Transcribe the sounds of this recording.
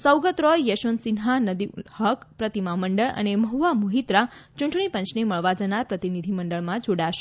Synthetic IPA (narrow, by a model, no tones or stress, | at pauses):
səwɡət̪ɾɔjːəʃonsinɦanəd̪ihəkpɾət̪imaməɳɖəɭə̰neməɦuʋamuɦit̪ɾat͡ʃũɳʈɳ̃ipə̃nt͡ʃʰneməɭʋad͡ʒənaɾpɾət̪inid̪ʱiməɳɖəɭmãd͡ʒoɽaʃe